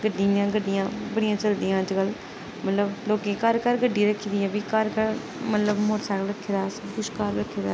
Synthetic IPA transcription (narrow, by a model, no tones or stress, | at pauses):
ɡəɖijãːɡəɖːɪjãːbəɽɪjãːt͡ʃəld̪ijãːəd͡ʒkəl | mət̪ləbloːkeːkəɾkəɾɡəɖːiːɾəkʰːiːd̪iːɛːbiːkəɾkəɾ | mət̪ləbmoɾsaːɽɾəkʰːeːɾaːsəbkʊʃkaːɾɾəkʰːeːd̪aː